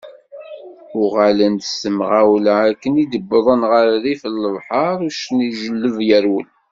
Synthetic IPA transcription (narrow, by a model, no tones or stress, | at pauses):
ʊʁalənd̪əsəmʁawlʕækːənid̪əbːðˤənʁəɾðifəlːəvħɑɾˤuʃniʒəlːəvjəɾwəl